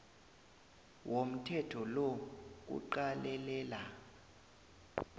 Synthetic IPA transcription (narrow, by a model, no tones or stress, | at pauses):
wʔom̩tʰɛtʰɔlok̬ṵǃalɛlɛːla